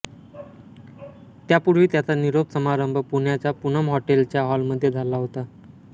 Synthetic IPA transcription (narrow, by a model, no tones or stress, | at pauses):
t̪japuɽʋiːt̪jat͡saniɾopsəmaɾəmbʱəpuɳjat͡ɕjapunəmɦɔʈelt͡ɕjaɦɔlməd̪ʱːjed͡zʱalːaɦot̪a